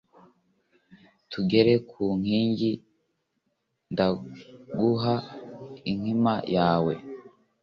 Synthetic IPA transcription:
tuɡe̞ɾe̞kʰuːŋ̥hiːɲɟi | ndaɡuɦa | iŋ̥himajaːwe̞̰

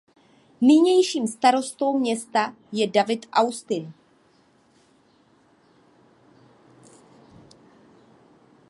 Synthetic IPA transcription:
nɪɲɛjʃiːmst̪aɾo̞st̪o̞wmɲɛst̪a | jɛdavɪt̪ʔawst̪ɪn

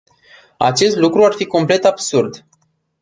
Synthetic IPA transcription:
a̰t͡ʃe̞st̪lukɾuarfiko̞mple̞t̪absurd̪

